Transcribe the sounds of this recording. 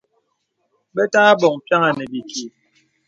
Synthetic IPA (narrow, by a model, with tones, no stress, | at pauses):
bɛ˦ta˦ŋa˦bɔ˨ŋ˨pja˦ŋa˨nɛ˨bi˨ki˨